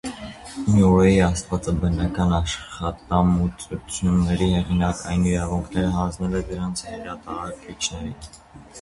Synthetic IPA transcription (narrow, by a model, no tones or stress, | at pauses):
njuɔjiɑst̪vɑt͡sɑbənɑkɑnɑʃχɑt̪ɑmut͡sut͡sʰjunːɛɾihɛʁinɑkɑjniɾɑvuŋkʰnɛɾəɦɑnd͡znɛlɛd̪əɾɑnt͡sʰɛɾɑt̪ɑɑɾkit͡ʃʰnɛɾin